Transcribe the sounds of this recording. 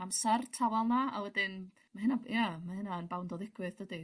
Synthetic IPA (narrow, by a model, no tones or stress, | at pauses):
amsɛrtʰavalˠnaawɛdɪn | maɦɨnajamahɨnaənbawndɔðɪɡ̥wɨðədi